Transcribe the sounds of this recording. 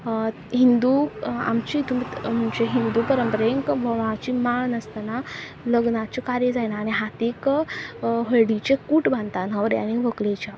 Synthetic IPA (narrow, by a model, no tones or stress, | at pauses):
ɦind̪ua̰mt͡ɕit̪umim̤əɳd͡ʑeɦind̪upəɾəmpəɾeŋkbʱəʋãt͡ɕimaɭnəst̪ana | ləɡnat͡ɕekaɾjed͡zajnaːɽ̃iɦat̪ek | ɦəɭɽit͡ɕekuʈbʱant̪anɦəʋɾa̰ñiʋəklet͡ɕa